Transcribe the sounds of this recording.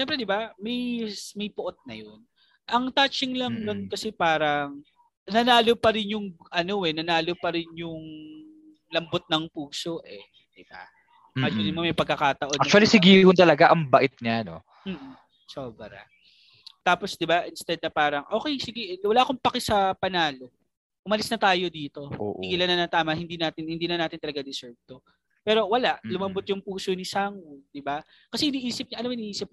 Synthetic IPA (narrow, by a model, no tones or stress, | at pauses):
ʃɛmpɾɛd̪ɪbamɛjmɐjpoʔot̪̚nɐ̰jon | ʔɐŋt̪at͡ʃɪŋlɐŋnonkɐsɛpaːɾɐŋ | nɐnaːlopɐɾɪnjʊŋʔɐno̞wɛnɐnaːlo̞pɐɾɪnjʊŋ | lɐmbot̪̚nɐŋpuːso̞ʔɛ | d̪̥ɪba̰ | ɐjulɪnmomɐjpɐɡ̚kːɐkaːt̪ɐʔo̞nak̚t͡ʃuɐlisɪɡɪjjʊnt̪ɐlɐɡaʔɐŋbɐʔɪt̪̚ɲano̞̰ | m̩ː | soːbɾɐ̰ | t̪aːpo̞sd̪ɪbaʔɪnst̪ɛd̪̚nɐpaːɾɐŋʔo̞ːkɛjsɪɡɪwɐlaːkoŋpɐkɛsɐpɐnaːlo̞ | ʔʊmɐlɪsnɐt̪aːjo̞d̪iːt̪o̞ʔo̰ːʔɪɡiːlɐnɐnɐt̪aːmɐhɪnd̪iːnaːt̪ɪnhɪnd̪iːnɐnaːt̪ɪnt̪ɐlɐɡad̪ɪsɛɹv̚t̪o̞ | pɛːɾo̞wɐlaʔlʊmɐmbot̪̚jʊŋpuːsonɪsaŋd̪ɪba | kɐsɛʔɪniːʔiːsɪp̚ɐʔɐlmɪniːʔiːsɪp̚